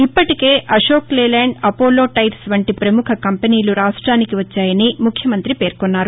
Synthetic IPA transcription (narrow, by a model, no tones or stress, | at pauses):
ipːɐʈike̞ːʔɐʂoːkleːlɛːɳɖɐpoːlːo̞ːʈɐjɾsʋɐɳʈipɾɐmukʰɐkɐmpeniːluɾaːʂʈɾaːnikiʋɐt͡ʃːaːjɐnimukʰjɐmɐnt̪ɾipe̞ːɾkɔnːaːɾu